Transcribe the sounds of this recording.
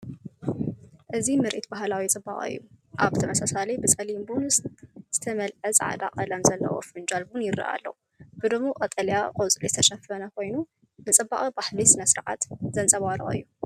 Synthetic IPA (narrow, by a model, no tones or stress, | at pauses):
ʔɨzimɨɾʔit̪baɦlawit͡sʼɨba̰χʼɨ̰jːuʔa̰βt̪ʰɐmɐsasalɐjbɨsʼɐlimbunsz̥ɨt̪ʰɐmɐlʕɐzʼʕa̰d̪a̰qʼɐlɐmzɐlːɐ̰wʔo̰fɨnd͡ʒalbunjɪrɨ̰ʔa̰lːɐ̰wu | b̥ɨd̪ɨmːoqʼɐt̪ʼɐljaqʼot͡sʼlizɨt̪ʰɐʃɐfɐnɐkʰo̞jnu | nɨt͡sʼɨbːaχʼibaħlisɨnɐsɨɾʕa̰t̪zɐnt͡sʼɐβaɾɐ̰ɨ̰jːu